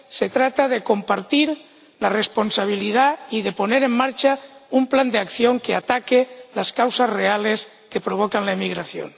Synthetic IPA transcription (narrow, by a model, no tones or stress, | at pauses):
set̪ɾat̪aðeko̞mpaɾt̪iɾ | larespo̞nsaβ̞iliðaiðe̞po̞neɾe̞mːaɾt͡ʃaumpland̪eakθjo̞ŋkeat̪akelaskawsazreales | ke̞pɾo̞β̞okanlaemiɣɾaθjo̰n